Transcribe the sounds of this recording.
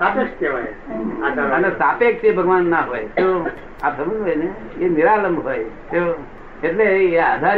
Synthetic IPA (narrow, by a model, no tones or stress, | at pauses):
sapekkeʋaj | aənesapek̚t͡ʃʰebʱəɡʋanːaɦojt̪o | apsəməd͡ʒojne | eniɾaləmbɦojt̪o | eʈleːad̪ʱaɾ